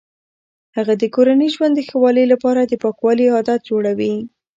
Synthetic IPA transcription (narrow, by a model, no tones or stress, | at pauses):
haɣad̪əkoɾanəʒwand̪ːəxawɑləjlapɑɾad̪əpɑkwɑlihɑd̪at̪̚d͡ʒoɽawi